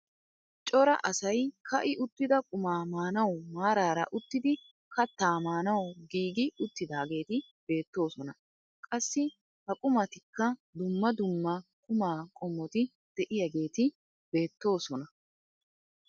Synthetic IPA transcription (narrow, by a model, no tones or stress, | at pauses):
t͡ʃʼɔɾɐ̰ʔɐsɐjkʰɐʔɪʔʊt̪ːɪd̪ɐkʼʊmaːmaːnɐwmaːɾaːɾɐ̰ʔʊt̪ːɪd̪ɪ | kɐt̪ːaːmaːnɐwʊɡiːɡɪʊt̪ːɪd̪aːɡe̞ːt̪ɪ | b̥e̞ːt̪ːo̞ːsɔnɐ | kʼɐsːɪ | hɐkʼʊmɐt̪ɪkːɐd̪ʊmːɐd̪ʊmːɐkʼʊmaːkʼɔmːɔt̪ɪ | d̪̥ɛʔɪjɐɡe̞ːt̪ɪ | b̥e̞ːt̪ːo̞ːsɔnɐ